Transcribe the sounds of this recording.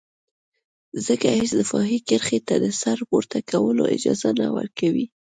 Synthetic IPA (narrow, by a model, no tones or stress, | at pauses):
zəkahɪsd̪əfɑɦikəɾxet̪ad̪əsaɾpoɾt̪ʰakawəloʔɪd͡ʒɑzanawə̰ɾkawi